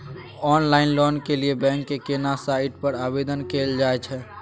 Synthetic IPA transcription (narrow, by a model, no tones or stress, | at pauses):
ɔːnlaːɪnlɔːnkeliebɛ̃ŋkːekenasaɪʈpəɾaːbed̪ənkeːld͡ʒaːɛt͡ʃʰɛ